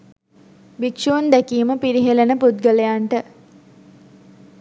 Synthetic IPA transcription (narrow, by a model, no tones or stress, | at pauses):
bikʃuund̪ækiːməpiɾiɦelenəpud̪̚ɡələjaɳʈə